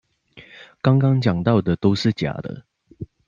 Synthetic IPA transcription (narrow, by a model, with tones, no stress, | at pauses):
kɑ˥˦ŋkɑ˦ŋt͡ɕjɑ˨˩ŋt̪ɑ˥˩ʊd̪ə˨˩t̪o˥ʊʂɻ̩˥˩t͡ɕja̰˨˩d̪ə̰˦